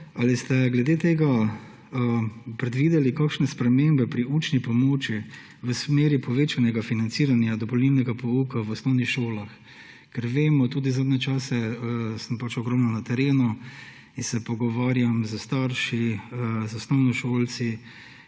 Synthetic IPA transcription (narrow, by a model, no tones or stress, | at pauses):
alist̪ɛɡlɛd̪eːt̪eːɡa | pɾɛd̪ʋiːd̪ɛlikaːkʃnɛspɾɛmeːmbɛpɾiuːt͡ʃnipɔmoːt͡ʃi | ʋəsmeːɾipɔʋeːt͡ʃanɛɡafinant̪siːɾanjad̪ɔpɔlniːlnɛɡapɔuːkaʋɔsnɔwnixʃoːlax | kɛɾʋeːmɔt̪uːd̪izaːd̪nɛt͡ʃaːsɛsəmpat͡ʃɔɡɾɔmnɔnat̪ɛɾeːnu | insɛpɔɡɔʋaːɾjamzəst̪aɾʃizɔsnɔʊnɔʃoːlt̪si